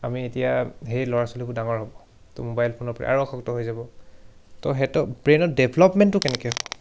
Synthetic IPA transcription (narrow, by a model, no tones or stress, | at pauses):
amietijaɦeɹilɔɹasolibʊdaŋɔɹɦɔbɔ | tɔ̰mobajlpʰonɔpɔɹɛ̰ʔa̰ɹukxʰɔktɔɦojzabɔ | tɔɦɛtɔbɹenɔdɛbʱlɔpmɛntːʊkɛnɛkɛɦɔbɔ